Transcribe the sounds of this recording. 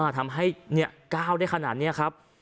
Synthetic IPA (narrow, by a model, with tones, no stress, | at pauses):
a˧˩t̪ʰa˧mɦa˥˩jni˦˥˩ɐkaː˥˩wda˥˩jkʰa˧naː˨˩t̪̚ni˦˥ɐkʰa˦˥p̚